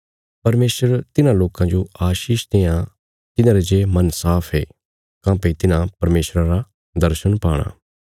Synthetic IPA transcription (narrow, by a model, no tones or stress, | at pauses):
pɐɾmeːsəɾt̪ɪnãloːkãd͡ʒoaːʃiːʃd̪eːã | t̪ɪnãːɾed͡ʒeːmɐnsaːpʰeː | kãːpet̪ɪnãpɐɾmeːʃɾaɾa | d̪ɐɾʃənpaːɽ̃a̰ː